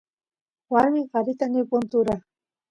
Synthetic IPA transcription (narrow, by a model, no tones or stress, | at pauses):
waɾmɪɢɑɾɪt̪anɪpʊnt̪ʊɾa